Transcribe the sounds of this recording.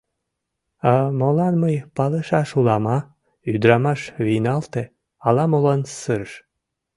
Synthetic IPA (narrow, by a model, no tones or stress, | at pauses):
ɑmolɑnməjpɑlɤʃɑʃulɑmɑ | yd̪ɾɑmɑʃβinɑlt̪e | ɑlɑmolɑnsəɾʃ